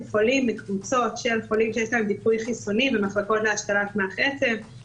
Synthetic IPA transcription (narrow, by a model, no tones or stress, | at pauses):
χolimːekvut͡so̞tʃe̞lχolimʃejeʃ̬laemd̪ipujχisonivemaχlako̞tleaʃkalakmeaχet͡sev